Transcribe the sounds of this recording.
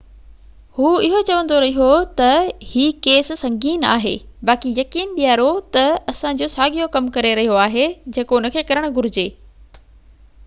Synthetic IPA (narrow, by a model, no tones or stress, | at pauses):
huːɪɦot͡ɕɐʋə̃nd̪oɾɐɦijot̪ɐhiːkeːssɐ̃ŋɡiːna̰ːɦḛːbaːkijɐkiːnɓijaːɾot̪ɐɐsã̆d͡ʑoːsaːɠijokɐmkɐɾeɾɐɦijoaːɦed͡ʑeːkoʊnə̆kʰeːkɐɾəɽ̃ʊ̆ɡʊɾɪd͡ʑeː